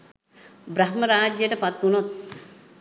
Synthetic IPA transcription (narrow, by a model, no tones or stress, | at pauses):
bɾɐɦməɾaːd͡ʒjəʈəpat̪ːunot̪̚